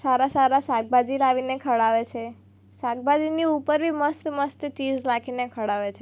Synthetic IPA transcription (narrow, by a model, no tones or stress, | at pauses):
saɾasaɾasak̚bad͡ʒilaʋinekʰəɽaʋet͡ʃʰe | sak̚bad͡ʒiniupəɾbʱiməst̪məst̪t͡ʃid͡ʒlakʰinekʰəɽaʋet͡ʃʰe